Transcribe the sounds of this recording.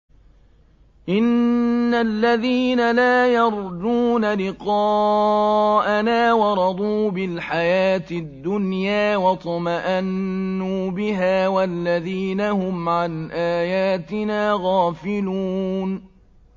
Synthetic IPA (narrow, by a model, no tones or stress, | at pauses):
ʔɪnːalːaðiːnalaːjɑɾˤd͡ʒ̪uːnalɪqɑː | ʔanaːwɑɾˤɑd̪ˤuːbɪlħajaːt̪ɪd̪ːʊnjaːwɑt̪ˤɑmaʔanːuːbɪɦaːwalːaðiːnahʊmʕanʔaːjaːt̪ɪnaːɣaːfɪluːn